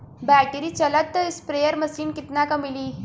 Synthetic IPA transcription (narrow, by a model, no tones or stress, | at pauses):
bæʈeɾiːt͡ɕələt̪ːəspɾejəɾməsiːnkit̪nakəmiliː